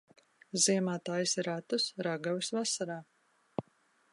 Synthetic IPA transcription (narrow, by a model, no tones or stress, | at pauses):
ziɛmaːt̪ajsɾat̪usɾaɡavisvasaɾaː